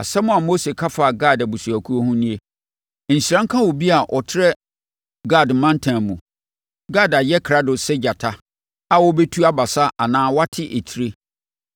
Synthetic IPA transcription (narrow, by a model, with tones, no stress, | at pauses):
a˨sɛ˦mʊ̃˨a˨mo˦se˨kʰa˦fa˨ɡa˦˨da˨bu˨su˨æ˨kʰu˦o˦hũ˦nĩ˦e˦ | n̩˨ɕi˨ɾã˦ŋ̩˦kʰã˦wɔ˨bi˦a˨ʔɔ˨tʰɪ˦ɾɛ˦ | ɡa˦˨dmã˦n˦tʰã˨mũ˨ | ɡa˦˨da˨jɛ˦kʰɾa˦dʊ˨sɛ˦d͡ʑa˨tʰa˦ | a˦wɔ˦be˦tʰu˦a˦ba˨sa˦ʔa˨nãː˦wa˦tʰɪ˦ʔe˨tʰi˦ɾe˦